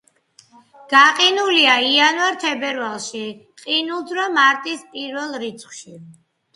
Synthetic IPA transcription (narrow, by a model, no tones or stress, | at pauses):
ɡ̥aqʼinuliaianvaɾt̪ʰɛbɛɾvalˠʃi | qʼinulˠd̪ɾɔmaɾt̪ʼispʼiɾvɛlˠɾit̪sʰχʃi